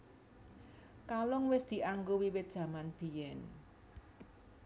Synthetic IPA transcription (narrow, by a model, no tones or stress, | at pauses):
kalʊŋwɪsd̪̥i̤ʔaŋɡowiwɪt̪̚d̥ʒ̥ä̤manb̥i̤jɛn